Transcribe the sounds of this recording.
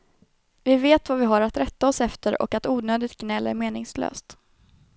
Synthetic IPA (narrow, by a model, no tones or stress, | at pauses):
vɪveːt̪vavɪɦaɾat̪ɾɛt̪ːaɔsɛft̪əɾɔ̰kat̪uːnøːd̪ɪt̪̚ɡnɛlːæ̰ɾmeːnɪŋslø̰ːst̪